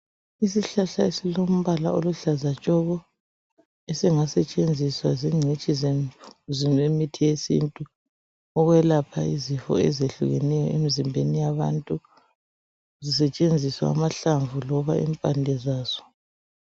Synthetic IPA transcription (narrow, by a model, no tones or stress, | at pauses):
isiɬaɬaesilom̩βalaoluɬazat͡ʃʼɔɣɔ | esiŋasɛt͡ʃʼend͡zʱiswaziŋ͡ǀʱit͡ʃʼizezimemitʰijesḭntʼu | ɔɣwɛlapʰaizifɔ̰ɛzeɬṵɣɛnɛjɔemizimbʱenijaβa̰ntʼu | zisɛt͡ʃʼend͡zʱiswa̰ːmaɬaɱvulɔβaḭmpʼandʱɛzaːz̥ɔ̥